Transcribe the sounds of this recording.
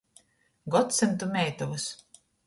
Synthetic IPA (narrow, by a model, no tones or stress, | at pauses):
ɡɔt̪sɨnt̪umʲɛjt̪ɔvus